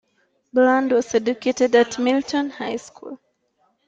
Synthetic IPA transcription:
blãndwɔzɛduketɛdatmiltʰɔ̃nhaɪjskʰṵlˠ

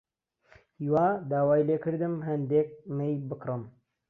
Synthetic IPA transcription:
hiwaːd̪aːwaːjleːkɨɾd̪ɨmɦɐnd̪eːk̚mejbɨkɾɨm

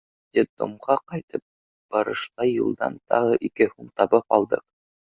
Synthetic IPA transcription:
d̪ʲid̪o̰mʁɑqɑjt̪ɤp̚ | b̥ɑɾɤ̆ʃlˠɑjṵlˠd̪ɑ̰nt̪ɑ̰ʁɤʔikɘhumt̪ɑbɤpɑlˠd̪ɤq̚

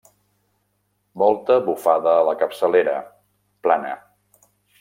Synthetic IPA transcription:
mɔlˠt̪əβufaðəːləkəpsəleɾə̰ | planə̰

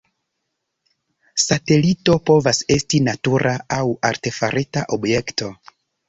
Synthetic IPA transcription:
sate̞lito̞po̞vase̞stinatuɾʔaawaɾte̞faɾetaʔobjekto̞

